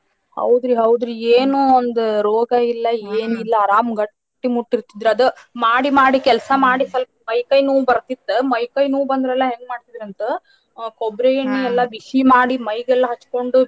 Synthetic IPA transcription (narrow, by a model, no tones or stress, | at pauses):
hɐ̰wd̪ɾiɦɐwd̪ɾieːnuond̪uɾoːɡɐilːɐeːnilːɐːɾaːmɡɐʈ | ʈːimuʈːiɾt̪id̪ɾuɐd̪umaːɽimaːɽikɛlsɐmaːɽisɐlɐmɐjkɐjnuːbɐɾt̪it̪ːumɐjkɐjnuːbɐnd̪ɐɾɛlːɐɦeŋɡmaːɽt̪id̪ɾɐnt̪u | kobɾejɐɳːiɛlːɐbiʂimaːɽimɐjɡɛlːɐɦɐt͡ʃːko̞ɳɖu